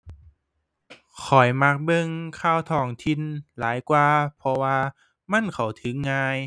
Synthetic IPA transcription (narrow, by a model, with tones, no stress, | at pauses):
kʰɔ˨˩jma˧˥k̚bɤ˧ŋkʰaː˧˩˨wt̪ʰɔː˧˩ŋt̪ʰi˧˨nlaː˨˦jkwaː˧pʰɔ˧waː˧ | ma˧˥˨nkʰa˨˩wt̪ʰɯː˨˦aː˧j